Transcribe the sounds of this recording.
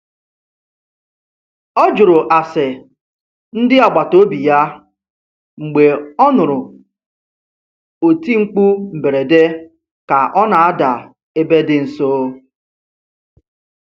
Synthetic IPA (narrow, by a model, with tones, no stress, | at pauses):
ɔ˦d͡ʒʊ˨ɾʊ˨ʔa˨sɪ˨ | n̩˦dɪ˦a˨ɡ͡ba˨to˦bi˨ja˦ | ŋ͡m̩˨ɡ͡be˨ɔ˦nʊ˨ɾʊ˨ | o˨ti˦ŋ͡m̩˦k͡pu˦m̩˨be˨ɾe˨de˦ | ka˨ʔɔ˦na˨a˦da˨ | e˦be˦dɪ˦n̩˨so˦